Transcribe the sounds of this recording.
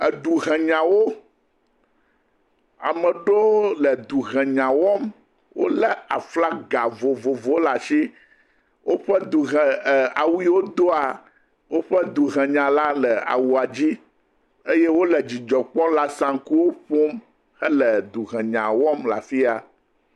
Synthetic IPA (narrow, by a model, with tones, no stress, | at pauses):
ɛ˨d̪u˨ɦɛ̃˨ɲã˨wo˦ | a̰˨mɛ̃˨ɖo˦lɛ˨d̪u˨ɦɛ̃˨ɲã˨wɔ˦m | wo̰˦lɛ˨a˨fla˦ɡa˨vo˨vo˨vo˦la˨ʃi˦ | wʔo˦ɸɛ˦d̪u˨ɦɛ̃˨a˨wu˦i˦wo˦d̪o˦a˨ | wo˦ɸɛ˦d̪u˨ɣɛ̃˨ɲã˨la˦lɛ˨a̰˨wu˨a˨d͡ʑi˦ | e˦je˦wo˦lɛ˨d͡ʑi˨d͡ʒɔ˨k͡pɔ̃˦la˦sã˨ŋ˦ku˦wo˦ɸo˦m | xɛ˦lɛ˨d̪u˨ɣɛ̃˨ɲã˨wɔ˦mla̰˨fi˦a˨